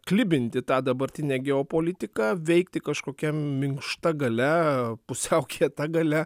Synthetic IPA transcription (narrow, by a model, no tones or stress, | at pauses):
klʲɪbʲɪnʲt̪ʲɪt̪ɑːd̪ɐbɐɾʲt̪ʲɪnʲɛːɡʲɛoːpoːlʲɪt̪ʲɪkɑːʋʲɛɪkt̪ʲɪkɐʃkoːkʲɛmʲɪŋkʃt̪ɐɡɐlʲɛpʊsʲɛʊkʲit̪ɐɡɐlʲɛ